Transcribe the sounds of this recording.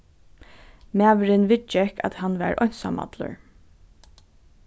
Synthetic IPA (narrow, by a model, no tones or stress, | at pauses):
mæːʋɾɪnʋɪt͡ʃːɛka̰t̪hanːʋæ̰ɹʔɔ̰jn̥sa̰ma̰t̪lʊ̰ɹ